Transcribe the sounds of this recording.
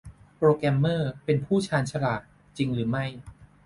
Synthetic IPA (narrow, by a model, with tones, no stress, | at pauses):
pɾoː˧kɾɛ˧mːɤː˥˩pe˧npʰuː˥˩t͡ɕʰaː˧nt͡ɕʰa˧laː˨˩t̪̚ | t͡ɕi˧ŋɾɯː˩˦ma˥˩j